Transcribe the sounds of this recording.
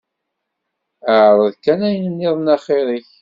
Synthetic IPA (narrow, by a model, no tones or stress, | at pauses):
əʕɾˤəðkːænæjənənːɪðˤnɑχeɾiç